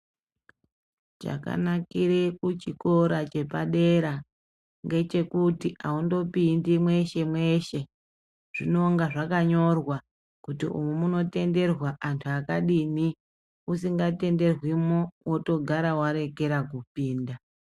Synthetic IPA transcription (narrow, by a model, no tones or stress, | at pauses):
t͡ʃa̰ka̰nakiɾekut͡ʃiko̞ɾat͡ʃe̞paɗe̞ɾa | ŋɡe̞t͡ʃe̞kutiʔaundo̞pindimwe̞ʃe̞mwe̞ʃe̞ | ʐ̥ino̞ŋɡaʐakaɲo̞rwa | kutiʔṵmumuno̞te̞nde̞rwaʔantʰuakaɗini | usiŋɡate̞nde̞rwimowoto̞ɡʱaɾawaɾe̞ke̞ɾakupiːnda